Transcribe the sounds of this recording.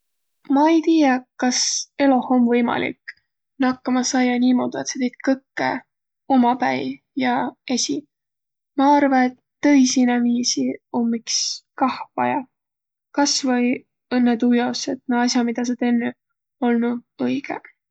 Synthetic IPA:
mɑejt̪iːjɑkɑse̞lohomvɤjmɑ̰lḭk | nɑkːɑmɑsɑjɑniːmo̞d̪̥ue̞t̪se̞t̪ejt̪̚kɤkːḛ | o̞mɑpæj | jɑe̞sʲi | mɑɑrvɑe̞t̪ːɤjsinæviːsiomːikskɑhvɑ̰jɑ | kɑsvɤj | ɤnːet̪ujɑset̪neɑs̬ʲjɑmid̪̥ɑs̬et̪enːe | o̞lnuɤjɡ̥e

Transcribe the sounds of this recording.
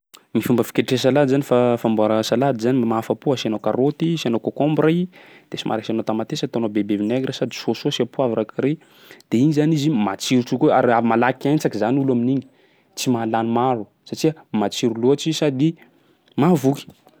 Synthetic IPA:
mifumbəfi̥keʈ͡ʂes̬alad̪izanifafambuaɾəsalad̪izanimaafəpuasianokaɾot̪isianokokombɾai | d̪̥esimʔa̰ɾaksianot̪amat̪esət̪onobebevinɛɡɾasad̪isososiapuavaɾakiɾe | d̪̥einizanizimat͡siɾuʈ͡ʂukoa̰ɾiamalakiajnt͡sakizanulaminiɲi̥ | t͡simalanimaɾu | saʈ͡ʂiəmat͡siɾuluaʈ͡ʂisad̪i | mavuki̥

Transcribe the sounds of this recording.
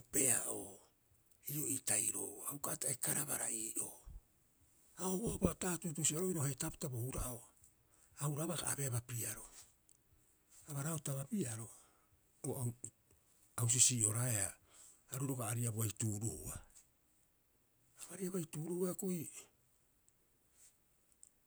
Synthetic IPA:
ope̞aʔo̰ | io̞itajɾo̰awkataekaɾaβa̰ɾa̰iːʔo̞ | aoβoabataːtutusiaɾo̞iɾohetapitabouɾaʔo | auɾaβaɡa̰a̰be̞aβapiaɾo̞ | aβaɾaotaβapiaɾo̞ | oa | aws̬isiʔo̞ɾaeaː | ɾuɾo̞ɡaːɾiaboajtuːɾuhua | aβaɾiaboajtuːɾuhuakoj

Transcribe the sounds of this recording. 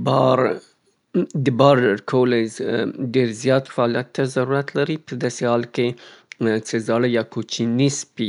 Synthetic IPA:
bɑɾ | d̪əbɑɾɖəɾkʰawəlazɖeɾzjɑt̪faɑlijat̪ːazaɾuɾat̪laɾipəd̪ɑsehɑlke | t͡səzɑlajɑkot͡ʃinispi

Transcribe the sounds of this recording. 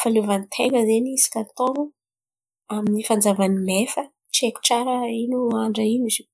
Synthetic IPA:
faluvanit̪ʰeŋəzenisi̥kʲat̪oŋu | aminifand͡zavanimefə | t͡ʃeki̥ʈ͡ʂaɾəinuaɳɖ͡ʐainizi̥

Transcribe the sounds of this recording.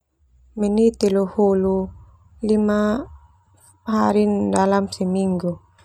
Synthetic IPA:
menit̪eluhulu | lima | ɦaɾindalamsemiŋɡu

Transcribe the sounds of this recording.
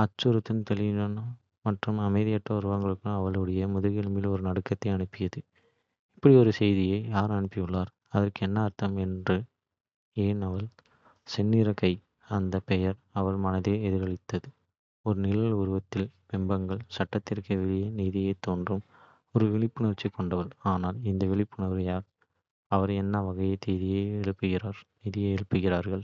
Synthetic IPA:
ɐt͡ʃːʊɾɯt̪ːɯmt̪ɛlɪʋɪnɐn | mɐʈrɯmɐmɐɪðɪjɐʈrɐʊɾɯʋɐŋɡɐɭɯkːɯmɐʋɐɭɯɽɐjɐmʊðɐɣɪɐlmɪlɔɾɯnɐɽɯkːɐt̪ːɐɪɐɳɯpːɪjɐðɯ | ɪpːɐɽiɔɾɯsɛjðɪjɐɪjaːɾɐɳɯpːɪjɯɭːaːɾ | ɐðɐrkɯɛnːɐːɾt̪ɐmɛndrɯ | eːnɐʋɐɭ | sɛnːiːɾɐkɐɪ | ɐnd̪ɐpɛjɐɾɐʋɐɭmɐnɐðeːɛðɪɾɣɐɭɪt̪ːɐðɯ | ɔɾɯnɪlɐlʊɾɯʋɐt̪ːɪlpɛmbɐŋɡɐɭsɐʈːɐt̪ːɪrkɯʋɛɭɪjɐniːðɪjɐɪt̪ːoːndrɯm | ɔɾɯʋɛɭɪpːɯɳɐɾt͡ʃːikːɔɳɖɐʋɐlaːnaːlɪnd̪ɐʋɪɭɪpːɯɳɐɾɾɯjaːɾ | ɐʋɐɾɛnːɐʋɐɣɐjɐt̪ːeːðɪjeːɛɻɯpːɯɣɪɾaːɾniːðɪjɐɛɭɯpːɯɣɪɾaːɾɣɐɭ

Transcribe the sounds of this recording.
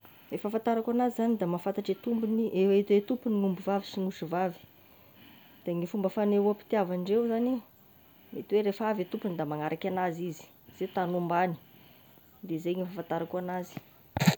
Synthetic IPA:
efafant̪aɾakanazizanid̪amafant̪aʈ͡ʂet̪umbiniʔewait̪wet̪upuniŋumbuvavisiŋusuvavi̥ | d̪̥aŋifumbəfaneuapi̥t̪iavaɳɖ͡ʐewzani | met̪iweɾefavet̪upunid̪amaŋaɾʔakʲanazizi̥ | z̥et̪anumbani̥ | d̪ezeŋifafant̪aɾakuanazi̥

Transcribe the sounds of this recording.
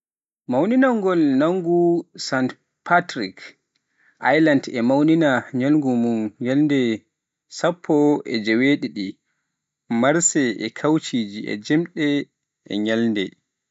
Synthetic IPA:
mawninaŋɡɔlnaŋɡusant | pʰatɾik | ʔajlandɛmawninaɲalŋɡumunɲalndɛ | sapʰːɔɛd͡ʒɛweɗiɗi | maɾsɛʔɛ̰kʰawt͡ʃiːd͡ʒiʔɛ̰d͡ʒɛmɗɛ | ɛ̰ɲalndɛ

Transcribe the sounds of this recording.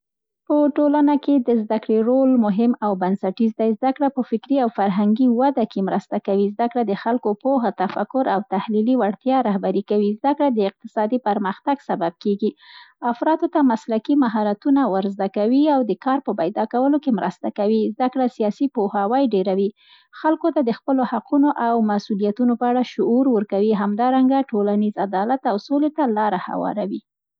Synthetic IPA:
pəʈolanaked̪əzd̪akɽeɾolmʊɦɪmawbansaʈizd̪ajzd̪akɽapəfɪkɾiawfaɾɦaŋɡiwad̪akemɾəst̪akawizd̪akɽad̪əxalkopoɦat̪afakʊɾawt̪ahliliwaɽt̪jɑɾɑhbaɾikawizd̪akɽad̪əɪq̚t̪ɪ̥sɑd̪ipəɾməxt̪aɡsabab̚keɡiafɾɑt̪ot̪amaslakimaɦɑɾat̪unawəɾzd̪akawiawd̪əkɑɾpəpajd̪ɑkawəlokemɾə̰st̪akawizd̪akɽasijɑsipohawajɖeɾawi | xalkot̪ad̪əxpəlohaqunoʔawmasulijat̪unopəaɽaʃʊuɾwəɾkawiɦamd̪ɑɾaŋɡaʈolanizad̪ɑlat̪awsolet̪alɑɾaha̰wɑ̰ɾawi

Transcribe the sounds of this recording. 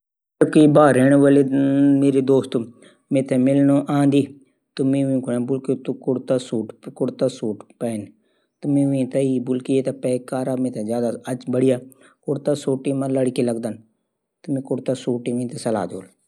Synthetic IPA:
kiːbaːɾeːɳ̃õːʋelemeːɾeːd̪oːst̪ː | mẽːt̪ʰɛːmɪlnoːʔãːnd̪iː | t̪ʊmẽːʋĩːkʊnãːbʊlket̪ukʊɽt̪aːsuːʈkʊɽt̪aːsuːʈpɛːn | t̪ʊmẽːʋĩːt̪aibʊlkieːt̪aːpɛːkaːɾaːmẽːt̪ʰɛːzjaːd̪aət͡ʃbəɽɪjaː | kʊɽt̪aːsoːʈiːmãːləɽkeːləɡd̪ən | t̪ʊmẽːkʊɽt̪aːsuːʈiːʋĩːt̪esəla̰ːd̪o̰ːl

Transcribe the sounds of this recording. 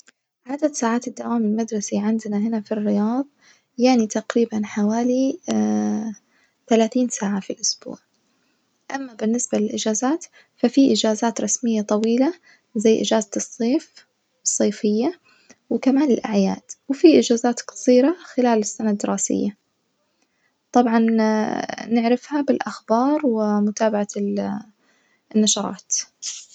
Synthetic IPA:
ʕad̪ad̪saːʕaːt̪ɪd̪ːawaːmɪlmad̪ɾˤɑsiʕɪnd̪naɦɪnafirːɪjɑːðˤ | jaʕnit̪aqɾiːbanħawaːli | θalaːθiːnsaːʕafilʔʊsb̥ṵːʕ | ʔamːabɪnːɪsbalɪlʔɪd͡ʒaːzaːt̪ | fafiʔɪd͡ʒaːzaːt̪ɾˤɑsmɪjːat̪ˤɑwiːla | zajːʔɪ̰d͡ʒaːzasˤːeːf | ɨsˤːɑːfɪjːa | wɪkamaːnɪlʔaʕja̰ːd̪̥wɪfiʔɪd͡ʒaːzaːt̪qɑ̥sˤiːɾaxɪlaːlɪsːanad̪ːɪɾɑːsɪ̰jːa | t̪ˤɑbʕɑn | nɪʕɾɪfhabɪlʔaxbɑːɾˤwɪmʊt̪aːbaʕa | nːɑʃɑɾˤɑ̰ːt̪

